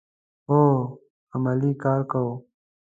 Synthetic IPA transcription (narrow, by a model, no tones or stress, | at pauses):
ɦoː | əməliːkaːɾkəoː